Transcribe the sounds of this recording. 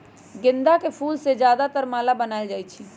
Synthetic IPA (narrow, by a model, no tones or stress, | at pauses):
ɡɪ̃nd̪akepʰuːlsed͡ʒjaːd̪at̪əɾmaːlabənaːɪld͡ʒaːjt͡ʃʰi